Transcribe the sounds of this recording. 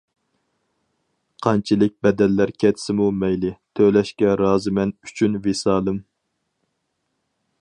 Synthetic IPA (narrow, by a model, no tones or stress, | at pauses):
qʰɑnt͡ʃʰilˠɪk̚ʲbɛd̪ɛlːæɾkʲʰɛt̪ʰsɪmumɛjlɪt̪ʰølɛʃkʲɛɾɑːzɨmɛny̥t͡ʃʰynvesɑːlˠɨm